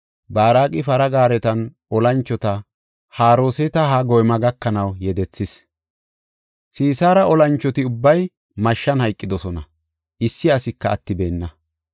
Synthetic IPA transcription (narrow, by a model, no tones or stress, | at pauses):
baːɾaːkʼɪfɐɾɐɡaːɾɛt̪ɐnʔɔlɐnt͡ʃːɔt̪ɐ | haːɾoːsɛt̪ɐɦɐɡɔjmɐɡɐkːɐnɐwjɛd̪ɛt͡sːɪs | siːsaːɾɐɔlɐnt͡ʃːɔt̪ɪʊbːɐj | mɐʃːɐnhɐjkʼːɪd̪ɔsɔnɐ | ʔɪsːɪɐsɪkːɐːt̪ːɪbe̞ːnːɐ